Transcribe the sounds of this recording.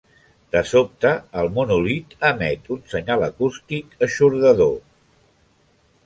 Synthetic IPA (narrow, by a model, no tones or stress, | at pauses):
d̪əsop̚t̪əːlˠmunulit̪əmɛt̪unsəɲaləkust̪ikəʃuɾðəðo